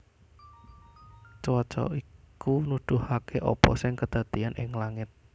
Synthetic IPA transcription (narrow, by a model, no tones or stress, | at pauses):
t͡ʃwɔt͡ʃɔ̰ikunud̪̥ʊ̤hakeʔɔ̰pɔ̰sɪŋkəd̪̥a̤t̪ianʔɪ̰ŋlaŋɪt̪̚